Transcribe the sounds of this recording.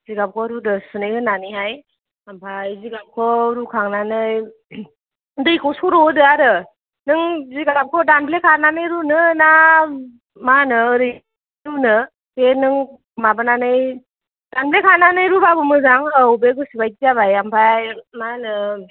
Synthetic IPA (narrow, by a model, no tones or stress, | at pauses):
ziɡap̚kʰɔɾudɯsɯnɯjhɯnːaniɦaj | ampʰajziɡap̚kʰɔɾukʰaŋnanɯj | dɯjkʰɔsɔɾɔdɯaɾɯ | nɯŋziɡalap̚kʰɔdanblekʰananɯjɾunɯna | manɯːɾɯj | ɾunɯ | kenɯŋ | mabananɯj | d̥anblekʰananɯjɾubabɯmɯzaŋaubekɯsibajtizaβajampʰajmanɯ